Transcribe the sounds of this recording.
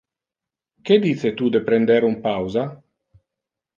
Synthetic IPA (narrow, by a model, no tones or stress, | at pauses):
ked̪iset̪ud̪epɾend̪eɾumpawza